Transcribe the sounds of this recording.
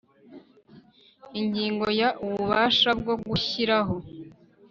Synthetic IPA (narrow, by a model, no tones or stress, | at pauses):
iɲɟiːŋɡo̞jaʔuβuβaːʃab̚ɡo̞ɡuçiɾaɦo̞